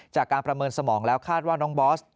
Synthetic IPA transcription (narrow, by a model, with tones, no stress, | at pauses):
t͡ɕaː˨˩kːaː˧npɾa˧mɤː˧nsa˧mɔː˩˦ŋlɛː˦˥wkʰaː˥˩t̪̚waː˥˩nɔː˦˥ŋbɔː˦˥s